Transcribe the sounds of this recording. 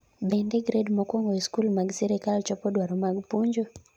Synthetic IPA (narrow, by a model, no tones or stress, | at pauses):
bɛndɛɡɾedmɔkwɔŋɡɔiskulmaɡsiɾɛkalt͡ʃɔpɔdwaɾɔmaɡpuɲd͡ʒo